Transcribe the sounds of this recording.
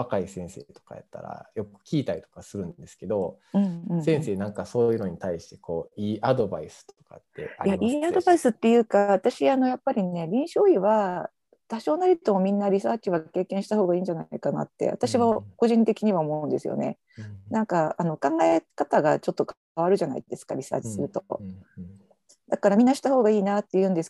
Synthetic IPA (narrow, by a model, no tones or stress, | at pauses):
βakaisẽ̞ɰ̃se̞t̪o̥ka̰ja̰t̪ːa̰ɾa̰jo̞kɯ̥kʲiːt̪aɾit̪o̞̥kasɨɾɯ̟̃nd̪esɨ̥ke̞d̪o̞ | ɯ̃ɯ̃ɴsẽɰ̃se̞ːnãŋkasoːjɯ̟no̞ɲ̟it̪aiɕi̥t̪e̞ko̞ːiːʔad̪o̞baisɨ̥t̪o̞̥ka̰t̪ːe̞̰a̰ɾjaimiːad̪o̞baisɨt̪ːe̞jɯ̟ːkaβat̪aɕiano̞japːaɾʲine̞ɾʲĩɰ̃ɕo̞ːiβa | t̪aɕo̞ːnaɾʲit̪o̞mo̞mʲĩnːaɾʲisaːkʲiβake̞ːkẽ̞ɰ̃ɕi̥t̪aɦo̞ːɡaĩːɲd͡ʑanaikana̰t̪ːe̞̰βa̰t̪aɕiβako̞ʑĩnt̪e̞kʲiɲ̟iβaomo̞ɯ̃nd̪e̞sɨ̰jo̰ne̞̰ | nãŋkaano̞kãŋɡaekat̪aɡat͡ɕo̞t̪ːok | βaɾɯ̟ʑana̰ḭd̪̥e̞sɨ̥ka̰ɾʲisa̰ːt͡ɕi̥sɨɾɯ̟t̪o | d̪akaɾamʲĩnːaɕi̥t̪aho̞ːɡaiːnat̪ːe̞jɯ̟̃ːnd̪e̞sɨ̥k